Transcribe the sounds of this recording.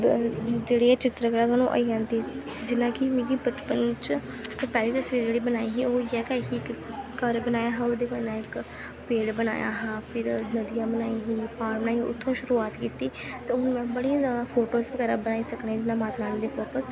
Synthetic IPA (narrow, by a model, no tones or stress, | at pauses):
d͡ʒeːɽeːɛt͡ʃɪt̪ɾəkəɾaːt̪ʊwaːnũːʔə̰iãːnt̪iː | d͡ʒɪnãːkɪmɪ̃ːɡiːbət̪pənt͡ʃː | pɛːliːt̪əsʋiːɾd͡ʒeːɽiːbənaːiːɦiːoːiɛːkɛːɦiːkkəɾbənaːjaːɦãoːd̪eːmɛːnãːɪk | peːɽbəna̰ːja̰ːɦãːpʰɪɾnəd̪ɪjãːbənaːiːɦiːpʰaːɾmnãːiʔʊ̰t̪ʰːõːʃʊɾuːaːt̪kiːt̪iːt̪eːoʊnmɛ̃ːbəɽiapʰoːʈoːsbkəɾabənaːiːsəknɛːd͡ʒɪnãːmaːt̪naːnːd̪eːpɔːpəs